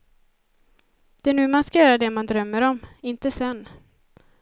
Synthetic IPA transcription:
d̪̥ɛænʉ̟ːmanskajœːɾad̪ɛmand̪ɾœmːəɾɔmɪnt̪əsɛnː

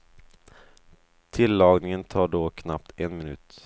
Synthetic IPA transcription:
t̪ʰɪlːɑːɡnɪŋənt̪ʰɑːɖoːkʰna̰p̚t̪ʰɛnmɪnʉ̟̰ːt̪

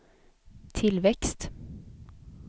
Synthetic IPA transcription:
t̪ʰɪlʋɛkst̪

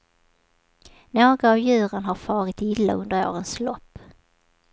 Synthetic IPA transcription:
noːɡɾaːvjʉ̟ːɾənɦaɾfɑːɾɪt̪ɪlːa̰ɵnd̪əɾo̰ːɾənslɔpː

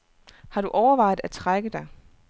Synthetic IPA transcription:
hɑ̈ɾ̥uʔɒʊɐʋɑ̈ɪdˠæ̥t͡sʰʁaɡ̥əd̥ɑ̈ɪ

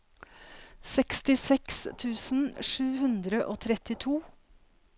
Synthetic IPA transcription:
sɛkst̪ɪsɛkst̪ʰʉːsn̩ʂʉːhʉnd̪ɾəʔoːt̪ʰɾɛt̪ɪt̪ʰuː

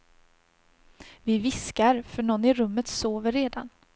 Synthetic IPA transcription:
vɪvɪskaɾfœɳɔnːɪɾɵmːət̪soːvəɾːeːd̪a̰n

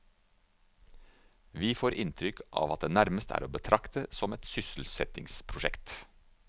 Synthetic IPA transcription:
ʋiːfoːɾʔɪnt̪ʰɾʏkʰʔɑ̰ːʋɑt̪̚d̪eːnæɾməst̪ʰæ̰ːɾoːbət̪ʰɾʔɑkt̪əsɔmɛt̪sʏsl̩sɛt̪ɪŋspʰɾʊʃɛkt̪

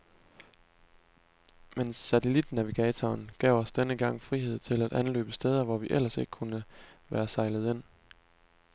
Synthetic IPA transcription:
menːæt͡sʰelid̥n̩æʋiɡ̥ɛːt͡sʰɒːnɡ̥ɛ̰ʊɒ̽sd̥enəɡ̥ɑ̈ŋ̰fʁiɦe̝ð̰ˠt͡sʰe̝læd̥ʔænlø̰ːb̥əsd̥eːð̞ˠɐʋɒʋiʔel̰ɐse̝ɡ̥əkʰunəʋæːɐsɑ̈ɪləð̞̩ˠe̝n̰

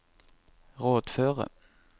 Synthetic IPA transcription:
ʁoːd̪føːʁə̰

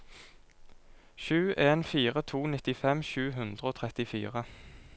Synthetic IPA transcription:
ʃʉːʔeːnfiːʁət̪ʰuːnɪt̪ɪfɛmʃʉːɦʉnd̪ʁəoːt̪ʰʁɛt̪ɪfḭːʁə

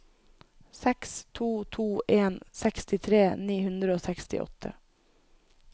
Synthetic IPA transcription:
sɛkst̪ʰuːt̪ʰuːʔeːnsɛkst̪ɪt̪ʰɾeːniːhʉnd̪ɾəoːsɛkst̪ɪ̰ʔɔ̰t̪ʰə̰

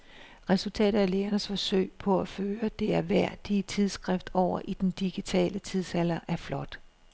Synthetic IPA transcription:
ʁɛsult͡sʰɛ̰ːɾ̥ɐæleːɐnəsfɒ̽søɪ̰pʰɒ̽æføːɐd̥e̝æɐʋæɐ̰d̥it͡sʰið̞ˠsɡ̥ʁɛfd̥ɒʊ̰ɐʔid̥end̥iɡ̥it͡sʰɛ̰ːlət͡sʰiðˠsælɐʔæɐflɒ̽d̥

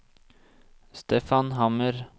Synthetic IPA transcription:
st̪eːfɑnɦɑməɾ

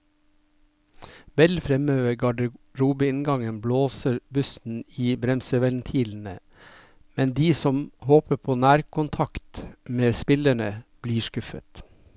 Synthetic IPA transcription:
ʋɛlfɾɛmøːʋəɡɑɖəɾuːbəɪnɡɑŋənbloːsəɾbʉsn̩iːbɾɛmsəʋɛlnt̪ʰiːln̩ə | mɛnd̪iːsɔmhoːpəpʰoːnæːɾkʰʊnt̪ʰɑkt̪meːspɪləɳəb̥liːʃkʉfə̰t̪

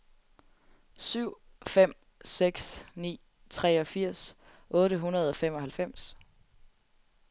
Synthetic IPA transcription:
syʊ̰ | fem̰ | seɡ̥snḭː | t͡sʰʁɛ̰ɒ̽fiɐ̰s | ʔɔ̽ːɾəɦunɐð̞ˠɒ̽fem̰ɒ̽ɦhælfem̰s

